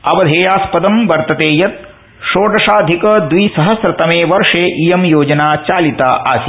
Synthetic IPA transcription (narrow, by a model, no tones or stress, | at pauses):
ɐʋɐd̪ʱeːjaːspɐd̪ɐmʋɐɾt̪ɐt̪eːjɐt̪̚ | ʃoːɖɾɐʂaːd̪ʱikɐd̪ʋisɐɦɐsɾɐt̪ɐmeːʋɐɾʂeːʔijɐmjoːd͡ʒɐnaːt͡ʃaːlit̪aːʔaːs